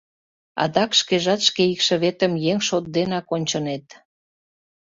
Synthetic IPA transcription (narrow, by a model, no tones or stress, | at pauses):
ɑ̰d̪ɑkʃkeʒɑt̪ʃkeikʃə̆βet̪ə̆mjeŋʃot̪̚d̪enɑkonʲt͡ɕɤ̆net̪